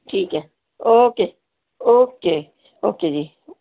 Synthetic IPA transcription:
ʈʰiːke | oːke | oːke | o̰ːked͡ʒi

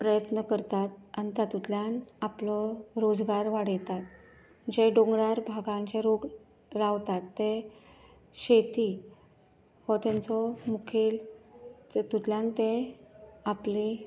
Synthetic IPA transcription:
pɾəjət̪nəkəɾt̪at̪ant̪at̪ut̪ljanaplɔɾod͡zɡaɾʋaɽəjt̪at̪̚ | d͡ʑeɖõŋɡɽaɾbʱaɡãɲt͡ɕaɾoɡ | ɾaʋt̪at̪ːe | ɕet̪i | hɔt̪ãnt͡sɔmukʰel | t̪ut̪ljant̪ẽ | apli

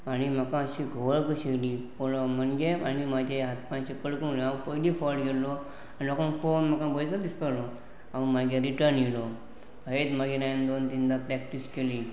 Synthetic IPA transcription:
añim̤əkãəɕiɡʱəʋəɭkəɕelipoɭmənɡea̰ñimad͡ʑʱeɦat̪pãɲt͡ɕekəɭkəlapəɦlifɔlɡelɔ | anilɔkãnfonm̤akãbəjt͡sɔd̪ispəlɔ | amaɡeɾiʈəɾnjilɔ | ɦet̪maɡenajnd̪ont̪ind̪apɾɛkʈiskeli

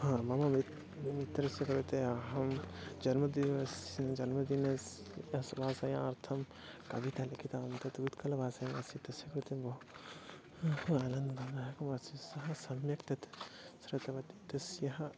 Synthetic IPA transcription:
hãːmɐmami | mit̪ɐɾɐsjɐkɐɾut̪eɐɦɐmd͡ʒɐnmɐd̪iʋɐsnd͡ʒɐnmɐd̪inɐs | ɐsbaːsajãɐɾt̪ʰɐm | kɐbit̪alikʰit̪ant̪ɐt̪ut̪kɐlɐbʱaːsaːjɐsit̪ɐsjɐkɐɾut̪ebo | hɐlɐnd̪d̪ʱɐnd̪aɦɐkɐmɐsisɐɦɐsɐmjɐkt̪ɐt̪sɾɐt̪ɐʋɐt̪it̪ɐsjɐɦɐ

